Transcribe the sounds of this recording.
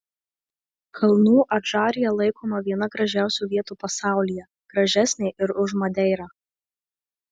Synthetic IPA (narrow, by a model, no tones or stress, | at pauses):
kʰɐlˠnuːʔɐʒɑːɾʲɪjɛlˠɐɪkoːmɐʋʲiɛnɐɡɾɐʒʲæˑʊsʲuːʋʲiɛt̪uːpɐsɑˑʊlʲijɛ | ɡ̥ɾɐʒʲæsʲnʲɛɪʔɪɾʊʒmɐd̪ʲɛɪɾɑː